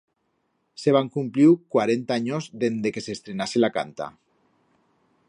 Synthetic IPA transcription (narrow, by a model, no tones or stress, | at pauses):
seβ̞aŋkumpliwkwaɾent̪aaɲozðend̪ekesest̪ɾenaselaka̰nt̪a̰